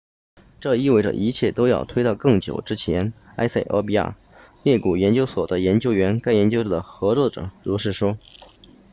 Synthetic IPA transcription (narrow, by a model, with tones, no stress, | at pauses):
ʈ͡ʂɤ˥˧i˥˧we˥˩ɪʈ͡ʂə̰˩ʔi˧˥t͡ɕʰjɛ˥˩t̪o˥ʊjɑ̰˥˩ʊt̪ʰwe˥ɪt̪ɑ˥˧ʊkɤ˥˩ŋt͡ɕjo̰˨˩ʊʈ͡ʂɻ̩˥t͡ɕʰjɛ˧˥n | a̰˥ɪsa˥˩ɪʔə̰˧˥pi˧˥a̰˥˩ | ljɛ˥˩ku˨˩jɛ˧˥nt͡ɕjo˥ʊswɔ˨˩d̪ə˦jɛ˧˥nt͡ɕjo˥ʊɥɛ˧˥nka˥ɪjɛ˧˥nt͡ɕjo˥ʊ˥˩d̪ə˩xɤ˧˥t͡swɔ˥˩ʈ͡ʂɤ̰˨˩˦ɻu˧˥ʂɻ̩˥˩ʂwɔ˥